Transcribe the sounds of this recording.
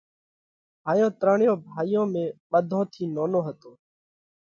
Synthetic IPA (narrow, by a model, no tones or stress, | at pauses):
ɦaːjõːt̪ɾaːɳjõːbʱaːiːjõːmẽːɓəd̪ʱõːt̪ʰiːnoːnoːɦət̪oː